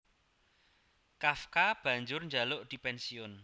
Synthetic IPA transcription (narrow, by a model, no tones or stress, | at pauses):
kafkab̥ä̤ɲd͡ʒʊrɲd͡ʒalʊʔd̪̥i̤pɛnsiʊn